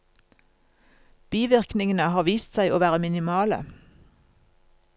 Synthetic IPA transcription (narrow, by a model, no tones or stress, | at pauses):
b̥iːʋɪʁknɪŋənəhɑːʋiːst̪sæɪʔoːʋæːʁəmɪnɪmɑːlə̰